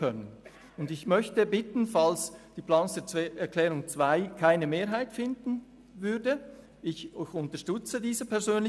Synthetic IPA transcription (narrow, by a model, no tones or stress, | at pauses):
œnən | ʊndɪçmœçtəbɪtn̩falsd̥iːplaːnsət͡sːɛɐkʰlɛːʁʊŋt͡sv̥aɪkʰaɪnəmeːɐɦaɪtfɪndn̩ | vʏɐdə | ɪçʊntəɐʃtʏt͡sədiːzəpʰɛɐzøːnlɪ